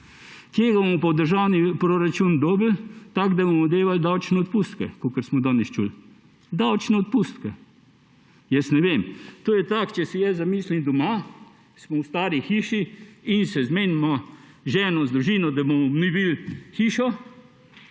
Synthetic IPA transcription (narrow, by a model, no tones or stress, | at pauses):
kjeɡabomɔpawd̪əɾʒawnipɾoɾat͡ʃund̪ɔːblt̪aɡd̪abomɔd̪eːʋald̪awt͡ʃnɛɔt̪pust̪kɛkokəɾsmɔd̪anɛst͡ʃṵl | d̪awt͡ʃnɛɔt̪̚pust̪kɛ | jɛsnɛʋeːmt̪oːjɛt̪akt͡ʃɛsɛjɛzamiːslimd̪ɔma | smɔwst̪aːɾixiːʃiinsɛzmeːnmɔ | ʒɛːnɔzd̪ɾuʒiːnɔd̪abɔmɔnibilxiːʃɔ